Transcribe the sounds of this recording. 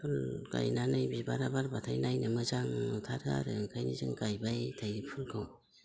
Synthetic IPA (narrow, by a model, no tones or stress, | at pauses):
pʰɯlɡa̰jnanɯjbibaɾabaɾbatʰajnajnɯmɯzaŋtʰaɾa̰ɾɯŋkʰajnizɯŋɡajbajtʰajpʰulkʰɯw